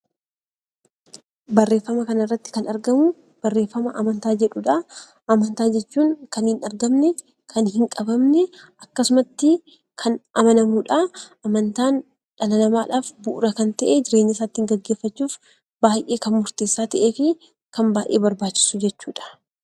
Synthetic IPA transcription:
bɐrːe̞ːfːɐmɐkɐnɪrːɐt̪ːɪ̥kɐnɐɾɡɐmʊ | b̥ɐrːeːfːɐmɐʔɐmɐnt̪aːd͡ʒɛᶑuᶑaː | ʔɐmɐnt̪aːd͡ʒɛt͡ʃːuːŋkɐnhɪnɐɾɡɐmnɛ | kʰɐnhɪŋkʼɐbɐmnɛʔɐkːɐsʊmɐt̪ːɪ | kʰɐnʔɐmɐnɐmuːᶑaʔɐmɐnt̪aːn | ᶑɐlɐnɐmaːᶑaːfbʊʔʊɾɐkɐnt̪ɐʔed͡ʒɪɾeːɲːɐsaːt̪ːɪŋɡɐɡːeːfːɐt͡ʃːuːf | b̥aːjʔe̞ːkɐnmʊɾt̪eːsːaːt̪ɐʔeːfi | kɐmbaːʔe̞̰ːbɐɾbaːt͡ʃːɪ̥sʊd͡ʒɛt͡ʃːuːᶑɐ̥

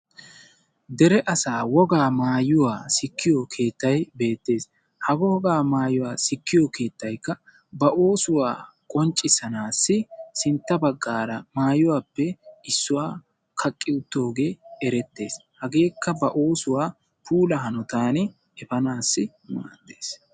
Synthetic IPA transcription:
d̪ɛɾɛʔɐsaːwɔɡaːmaːjʊwaːsɪkːɪjɔkʰe̞ːt̪ːɐjbe̞ːt̪ːe̞ːs | hɐɡɔwɔɡaːmaːjʊwaːsɪkːɪjɔkʰe̞ːt̪ːɐjkːɐ | bɐʔo̞ːsʊwa̰ː | kʼɔnt͡ʃʼːɪsɐnaːsːɪsɪnt̪ːɐbɐɡːaːɾɐmaːjʊwaːpːɛɪsːʊwaː | kʰɐkʼːɪʊt̪ːo̞ːɡe̞ːɛɾɛt̪ːe̞ːshɐɡe̞ːkːɐbɐʔo̞ːsʊwaː | pʰuːlɐɦɐnɔt̪aːnɪ | ɛfɐnaːsːɪ | ma̰ːd̪eːs

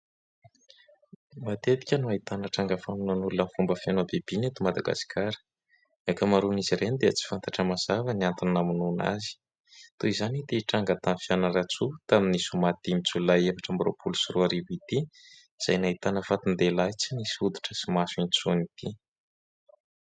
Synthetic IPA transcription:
mat̪ed̪i̥kʲənuait̪anəʈ͡ʂaŋɡəfaminanulunəfumbəfanobeb̥inet̪umad̪aɡa̰si̥kʰaɾə̥ | akəmaɾuniziɾenid̪eət͡si̥fant̪aʈ͡ʂəmaz̥avəniant̪ininamununa̰zi̥ | t̪uizanit̪iʈ͡ʂaŋɡat̪anfijanəɾat͡sut̪aminisumat̪imit͡sulajefaʈ͡ʂambro̰pʰulusuruaɾiɦit̪i | iz̥ajnait̪anəfat̪und̪elajt͡sinisud̪u̥ʈ͡ʂəsimasuint͡sunit̪i

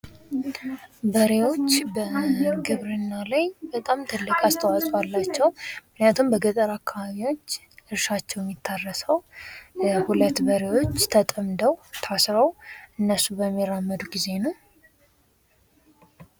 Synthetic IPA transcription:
bəɾewo̞t͡ʃːbəɡɨβɾɨnːalajbət̪ʼamt̪ʰɨlːɨkʼast̪ʰəwakʼwalːat͡ʃːɛwmɨknijat̪ʰumbəɡət̪ʼəɾakʰːaβaβiwo̞t͡ʃː | ʔɨɾʃat͡ʃːɛwjɛmːjit̪ʰːarːəsəwjhulət̪ːbəɾe̞wo̞t͡ʃːt̪ʰət̪ʼəmd̪əwt̪ʰasɾəwʔɨnːəsubəmːiɾamːəd̪uɡize̞nəw

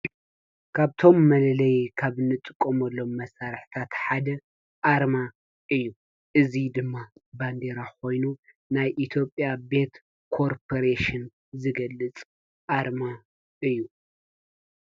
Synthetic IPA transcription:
kʰaβt̪ʰo̞mːɐlɐlɐjkʰaβɨnːɨt̪ʼɨkʼːomɐlːo̞mːɐsaɾħi̥t̪ʰat̪ħad̪ɐ | ʔaɾma | ʔɨjːu | ʔɨzid̪ɨmːaband̪eɾakʰo̞jnu | najʔit̪ʰjo̞pʼjabe̞t̪ | kʰoɾpʰoɾeʃɪn | zɨɡɐlːɨt͡sʼ | ʔaɾma | ɨjːu

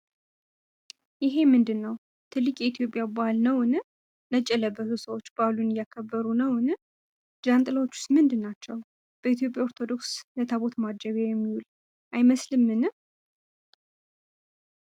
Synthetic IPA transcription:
jɪɦe̞mɨnd̪ɨnːəw | t̪ʰɨlːɨkʼjɛit̪ʰjo̞pʼjabalnəwɨnɨ | nət͡ʃʼːɛləbəhusəwo̞t͡ʃːb̥alunɨjakʰːəbːəɾunəwɨnɨ | d͡ʒant̪ʼɨlawot͡ʃːu̥st̪mɨnd̪ɨnːat͡ʃːɛw | b̥əit̪jo̞pʼjao̞ɾt̪ʰo̞d̪o̞kslət̪ʰaβo̞t̪mad͡ʒəβajɛmːiwul | ʔajməslɨmːɨnɨ

